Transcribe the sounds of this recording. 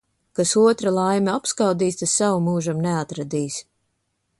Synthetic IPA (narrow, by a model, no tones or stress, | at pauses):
kasuɔt̪ɾalˠajmʲɛapskawd̪iːst̪asawumuːʒamneat̪ɾad̪iːs